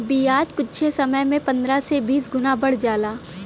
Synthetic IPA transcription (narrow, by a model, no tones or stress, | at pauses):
biːaːd͡ʒkʊtːʃʰesɐməjmẽpɐ̃nd̪ɾasebiːsɡʊnabɐɽ̤d͡ʒaːlaː